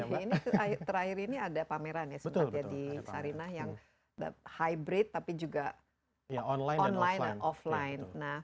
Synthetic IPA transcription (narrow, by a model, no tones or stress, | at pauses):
iniat̪əɾahiɾiniadapameɾanjasəmp̪ət̪iadisaɾinahjaŋ | da̰hajbɾɪt̪ːapid͡ʒuɡa | jaɔnlajɔnlajɔflajnːah